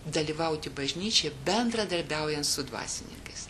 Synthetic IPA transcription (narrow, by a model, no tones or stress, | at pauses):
d̪ɐlʲiːʋɐʊt̪ʲɪbɐʒʲnʲiːt͡ʃʲɛːbʲɛnd̪ɾɐd̪ɐɾʲbʲɛʊjɛnt̪sʊd̪ʋɑ̰ːsʲɪnʲɪ̰ŋkɐɪs